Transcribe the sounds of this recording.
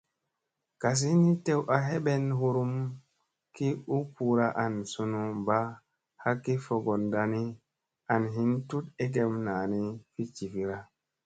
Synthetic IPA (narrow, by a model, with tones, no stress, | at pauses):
ka˨s̬i˦ni˦te˦wʔa˨ɦe˦ɓe˦nɦu˦ɾu˦m | ki˦u˦pu˨ɾa˦ʔa˨nsu˧nu˨ba˦ | ha˦kːi˦fo˨ɡo˨nda˨ni˦ | a˨nɦi˦ntu˦te˦ɡ̬e˨mnaː˨ni˦fi˦t͡ʃi˨fi˨ɾa˦